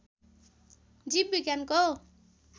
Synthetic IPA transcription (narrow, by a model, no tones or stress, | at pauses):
d͡zib̚biɡjanko